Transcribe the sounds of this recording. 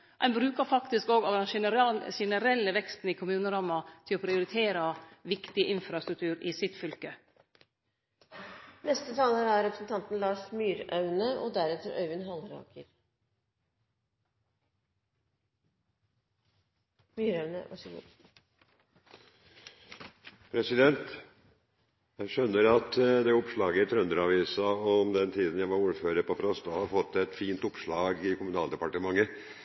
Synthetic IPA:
ʔæ̰ɪnbɾʉːkəɾfɑkt̪ɪskoːɡɑːʋd̪ɛnʃɛnəɾɛlːəʋɛkst̪n̩iːkʰʊmʉːnəɾɑːmɑt̪ʰɪloːpʰɾɪʊɾɪt̪ʰeːɾɑʋɪkt̪ɪʔɪnfɾɑst̪ɾʉk̚t̪ʰʉːɾɪːsɪt̪fʏlkə | nɛst̪ət̪ʰɑːləɾæɾɾɛpɾəsn̩t̪ʰɑnt̪n̩lɑːʂmyːɾœʉnəʔod̪æɾɛt̪əɾœ̰ʏʋɪnɦɑlɾɑ̰ːkʰəɾ | myːɾɑʉnə̰ʋɑ̰ʂəɡṵː | pʰɾɛsɪd̪ɛnt̪ | jæɪʃœnːəɾɑt̪d̪ɛʊpʂɭɑːɡət̪ʰɾœnd̪əɾɑːʋiːsɑɔmd̪ɛnt̪ʰiːd̪ən̩jæɪʋɑɾuːɾføːɾəɾpɔfɾɑst̪ɑhɑɾfɔt̪ːɛt̪fiːnt̪ʊpʂɭɑːɡɪkʰʊmʉnɑːlˠd̪ɛpɑʈəmɑŋːə

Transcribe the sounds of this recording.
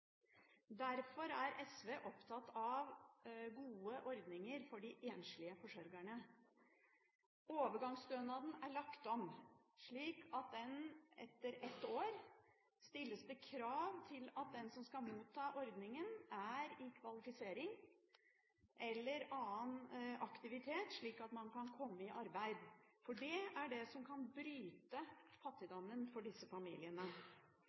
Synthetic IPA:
d̪æɾfɔɾæɾʔɛsʋeːʔɔpt̪ʰɑt̪ɑʋɡuːəʔɔɾd̪nɪŋəɾfɔɖɪʔeːnʂɭɪəfɔʂɔɾɡæɳə | oːʋəɾɡɑŋsd̪øːnɑd̪n̩æɭɑkt̪ɔmʂɭiːkʰɑt̪̚d̪ɛnɛ̰t̪ːəɾɛt̪ːoːɾ | st̪ɪlːəsd̪əkʰɾɑːʋt̪ʰɪlɑt̪̚d̪ɛnsɔmskɑmuːt̪ʰːɑːʔɔɾd̪nɪŋənæɾɪkʰʋɑlɪfɪseːɾɪŋ | ʔɛlːəɾɑːənʔɑkt̪ɪʋɪt̪ʰeːt̪ʂɭiːkɑt̪mɑnkɑnkʰɔmːəɪʔɑɾbæɪd̪fɔɖɛæɖɛsɔmkʰɑnbɾyːt̪əfɑt̪ːɪd̪ɔmːənfɔɖɪsəfɑmḭːlɪənə

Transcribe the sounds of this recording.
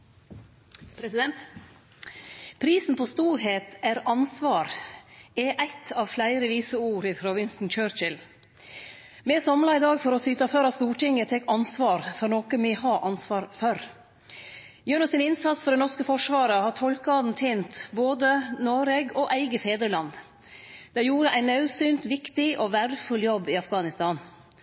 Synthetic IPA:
pʰɾɛsɪd̪ɛnt̪ | pʰɾiːsn̩pʰost̪uːɾɦeːt̪æɾɑnsʋɑːɾ | ɛʔæɪt̪ʰɑːʋflæɪɾəʋiːsəuːɾɪfʰɾʊʋɪnsn̩t͡ʃøːɾt͡ʃɪl | mɛːsɑmlɑɪd̪ɑːɡfɔɾɔsyːt̪ɑføɾɑst̪uːʈɪŋət̪ʰɛkɑnsʋɑːɾfɔɾnoːkəmɪhɑːʔɑnsʋɑːɾfœɾ | jøːɳɔsɪnɪnsɑt̪sfɔɖ̪ɛnɔʂkəfɔʂʋɑːɾəhɑʈ̪ʰɔlkɑd̪n̩t̪ʰeːnt̪boːd̪ənoːɾɛɡɔʔæɪɡəfeːd̪ɾəlɑnd̪ | d̪̥ɛjuːɾəʔæɪnɑʉsyːnt̪ʋɪkt̪ɪʔɔʋæɖəfʉljɔbːɪɑfɡɑːnɪst̪ɑːn

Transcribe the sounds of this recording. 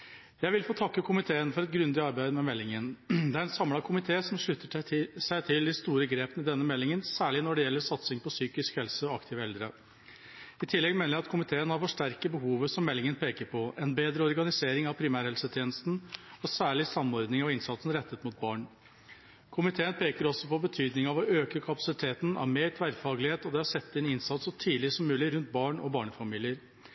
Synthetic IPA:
jæɪʋɪlfoːt̪ʰɑkːəkʰʊmɪt̪ʰeːənfɔɾɛt̪̚ɡɾʉnd̪ɪɑɾbæɪd̪mɛmɛlːɪŋənd̪ɛæɾɛnsɑmlɑkʰʊmɪt̪ʰeːsɔmʂɭʏt̪ːəsæɪt̪ʰɪld̪ɪst̪uːɾəɡɾeːpənɪd̪ɛnːəmɛlːɪŋənsæːɭɪnɔɖɛjɛlːəɾsɑt̪sɪŋpɔsyːkɪskhɛlsəɔɑkt̪ʰɪːʋəɛld̪ɾə | ɪt̪ʰɪlːɛɡmeːnəjæɑt̪kʰʊmɪt̪ʰeːənhɑɾfɔʂʈæɾkəbəɦuːʋəsɔmːɛlːɪŋənpʰeːkəɾpʰɔʔɛnbeːd̪ɾəɔɾɡɑnɪseːɾɪŋɑʋpʰɾɪmæːɾhɛlsət̪ʰjeːnəst̪n̩ɔsæːɭɪsɑmːɔɾd̪nɪŋɑʋɪnsɑt̪sn̩ɾɛt̪ːət̪mʊt̪̚bɑːɳ | kʰʊmɪt̪ʰeːənpʰeːkəɾɔsɔpɔbət̪ʰyːd̪nɪŋɑʋɔøːkəkʰɑpɑsɪt̪ʰeːt̪n̩ʔɑ̰ʋmeːɾt̪ʰʋæɾfɑːɡlɪheːt̪ɔd̪ɛhɑʂɛt̪ːɪnɪnsɑt̪sɔt̪ʰiːdlɪsɔmːʉːlɪɾʉnt̪̚bɑːɳɔ̰bɑːɳəfɑmiːlɪəɾ

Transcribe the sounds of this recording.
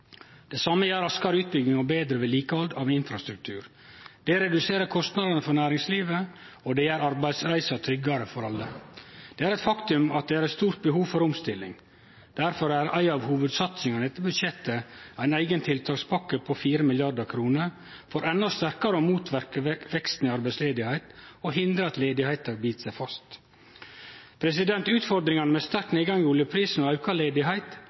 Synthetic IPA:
d̪̥ɛsɑməjæːɾɑskɑɾəʉːt̪̚bʏɡnɪŋɔbeːd̪ɾəʋɛliːkəɑld̪ɑʋɪnfɾɑst̪ɾʉk̚t̪ʰʉ̰ːɾ | d̪̥ɛɾɛd̪ʉseːɾəɾkʰɔst̪nɑd̪ɑnəfɔɾnæːɾɪŋsliːʋə | ɔd̪ɛæːɾɑɾbæɪd̪sɾæɪsɑt̪ʰɾʏɡːɑɾəfɔɾɑlːəd̪̥ɛːæɾɛt̪fɑkt̪ʉmɑt̪̚d̪ɛæɾɛt̪st̪uːɾt̪̚bəɦuːʋfɔɾɔmst̪ɪlːɪ̰ŋ | d̪̥æɾfɔɾæɾæɪɑːʋhuːʋəd̪sɑt̪sɪŋɑnɛt̪ːəbʉd̪ʃɛt̪ːəæɪnæɪɡənt̪ʰɪlt̪ʰɑːkspʰɑkːəpʰɔfiːɾəmɪljɑd̪əɾkʰɾuːnəɾ | fɔɾɛnːɔst̪æɾkɑɾəoːmuːt̪ʰʋæɾkəʋɛkst̪n̩ɪɑɾbæɪsleːd̪ɪhæɪt̪oɦɪnd̪ɾəɑt̪leːd̪ɪhæɪt̪ɑbiːt̪sæɪfɑst̪ | pʰɾɛsɪd̪ɛnt̪ʉːt̪fɔɾd̪ɾɪŋɑnəmɛst̪æɾkneːɡɑŋuːljəpʰɾiːsnɔæʉkʰɑleːd̪ɪɦæɪt̪

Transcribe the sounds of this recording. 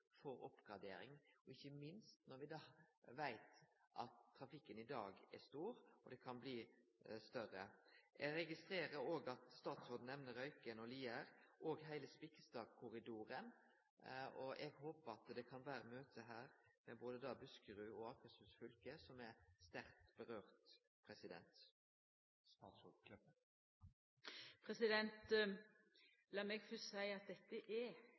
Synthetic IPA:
fɔɾɔ̰pɡ̥ɑd̪ḛːɾɪ̰ŋɔɪçːəmɪnst̪nɔɾʋɪd̪ɑːʋæɪt̪ʔɑ̰t̪ʰːɾɑfɪkːənɪd̪ɑːɡɛst̪uːɾɔ̰d̪ɛkʰɑnbliːst̪œɾəʔɛɾɛɡɪst̪ɾeːɾəɾoːɡɑt̪st̪ɑːt̪sɔd̪n̩ɛʋnəɾœʏkənɔliːəɾʔɔɡɦæɪləspɪkəst̪ɑːɡ̚kʰʊɾɪd̪uːɾən | ɔʔɛɡhoːpəɾɑt̪d̪ɛkʰɑnʋæːɾəmøːt̪ʰəɦæːɾmɛboːd̪əd̪ɑːbʉskəɾʉːɔɑːkəsʉsfʏlkəsɔmæst̪æɾt̪b̥əʁøːʁt̪ | pʰɾɛsɪd̪ɛ̰nt̪ | t̪sɔ | pʰɾɛsɪd̪ɛnt̪ | lɑːmɛɡfɔsæɪɑt̪̚d̪ɛt̪ːəʔɛ

